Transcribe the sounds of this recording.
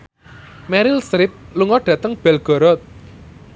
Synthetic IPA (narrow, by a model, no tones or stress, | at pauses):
mɛɾilsɾɪp̚luŋɔɖ̥ä̤t̪əŋb̥ɛlɡ̥ɔ̤ɾɔt̪̚